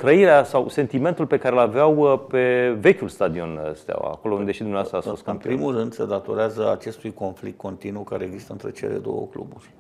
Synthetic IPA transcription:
t̪ɾəiɾeasawse̞nt̪ime̞nt̪ulpe̞kaɾelaveawpe̞ve̞kʲulst̪ad̪io̞nə̰st̪a̰a̰ko̞lo̞und̪e̞ʃid̪umneast̪ɾasfɨoskɨnpɾimulrɨnd̪sed̪at̪o̞ɾeazəat͡ʃe̞st̪ujko̞nflik̚t̪̚ko̞nt̪inukaɾeːɡzist̪əɨnt̪ɾe̞̰t͡ʃe̞̰le̞̰d̪o̞̰wə̰klṵburʲ

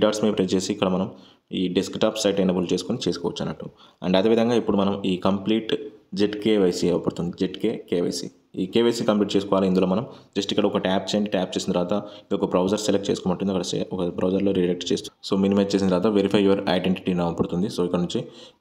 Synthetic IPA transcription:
iɖaːɖsmepɾet͡ʃeːsiːkːɐɽɐmɐnɐm | iːɖeskʈaːpsɐjʈenɐbɐlt͡ʃe̞ːsu̥koːnit͡ʃeːsu̥kɔ̰ːʋɐ̰t͡ʃːɐ̰nːɐʈːuɐ̰ɳɖɐd̪eːʋid̪ʱɐŋɡaːipːuɽumɐnɐmiːkɐmpliːʈd͡ʒeʈkeːʋɐjsiɛːʋɐpɐɽut̪und̪id͡ʒeʈkeːkeːʋɐ̰jsḭ | iːkeʋɐjsikɐmpliːʈt͡ʃeːsu̥kɔːʋaːlind̪uloːmɐnɐmd͡ʒɐsʈikːɐɽɐɔkɐʈaːp̚t͡ʃeɳɖʈaːp̚t͡ʃeːsint̪ɐɾʋaːt̪ɐiɔkːɐbɾɐwd͡ʒɐɾselek̚ʈ̚t͡ʃeːsu̥kɔmnɐʈːund̪iɐkːɐɽɐsḛɔkɐbɾɐwd͡ʒɐɾlo̞ːɾiɐk̚ʈt͡ʃeːst̪soːminimɐʈ̚t͡ʃes̬int̪ɐɾʋaːt̪ɐʋeɾipʰɐjuʋɐɾɐ̰jɖeɳʈi̥ʈinɐʋɐpɐɽut̪und̪isoːikːɐɽɐnuɲt͡ʃi

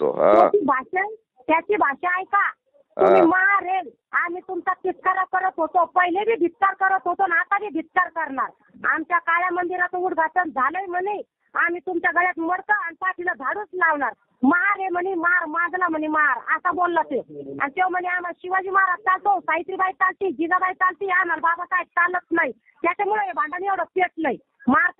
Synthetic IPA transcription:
o̰ɦoibʱaɕə | t̪jat͡ɕiːbʱaɕeajka | t̪um̤iːmaɦaɾel | amiːt̪umt͡sat̪it̪̚kʰaɾəkəɾət̪ɦot̪opəjilebʱiːbʱit̪ːaɾkəɾət̪ɦot̪onat̪abiːbʱit̪ːaɾkəɾɳaɾ | a̰mt͡ɕjakaɭjamənd̪iɾat͡s̪uːɽɡʱat͡sənd͡zʱaləjmənij | amiːt̪umt͡ɕaɡʱəɽjat̪məɽkəansaʈʰiləd̪ʱaɽuːt͡slaʋɳaɾ | məɦaɾemənimaaɾmãɡlam̤ənimaɦaɾa̰sabolːat̪ea̰nit̪ewm̤əneamaɕiʋad͡ʑiːmaaɾat̪t̪alt̪osait̪ɾibait̪alt̪id͡ʑiɡabaj̚t͡salt̪iːanaɾbabasaj̚t͡salət͡snaɦi | t̪jat͡ɕamuɭəjebʱãɳɖaniewɽəpjet͡sləɦi | maɾ

